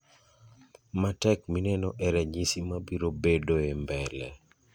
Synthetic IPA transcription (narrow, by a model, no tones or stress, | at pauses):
matɛkminɛnɔʔɛɾɛɲisimabiɾobedoembɛlɛ̰